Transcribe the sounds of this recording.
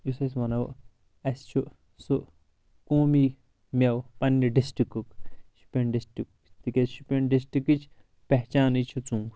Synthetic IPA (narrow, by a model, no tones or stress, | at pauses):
jusɐs̬mɐnɐw̰ | ɐst͡ʃʰu | su | koːmi | mʲewpɐnːiɖisʈikukʃu̥pʲenɖisʈik | t̪ikʲeʃupʲenɖisʈikit͡ʃʰ | pɛɦt͡ʃaːnit͡ʃʰut͡sũːɡ